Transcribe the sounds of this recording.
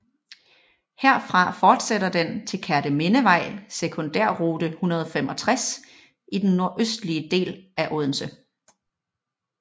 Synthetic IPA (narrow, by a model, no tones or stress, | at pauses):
heɐfʁɑ̈fɒːd̥seɾ̥ɐd̥ent͡sʰe̝lkʰæɐɾ̥əme̝nəʋɑ̈ɪ̰sekʰɔ̽nd̥æɐ̰ʁuːd̥əhunɐð̞ˠɒ̽femɒ̽t͡sʰʁas | ʔid̥enːo̝ɐʔøsd̥liəd̥e̝̰ːlæʔoːð̞ˠn̩sə